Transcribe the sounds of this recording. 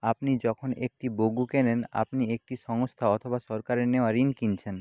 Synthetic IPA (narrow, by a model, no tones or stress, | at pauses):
apnid͡ʑɔkʰonek̚ʈiboɡukenena̰pniek̚ʈiʃɔŋost̪ʰaɔt̪ʰobaʃɔɾkaɾeɾneoaɾinkint͡ɕʰen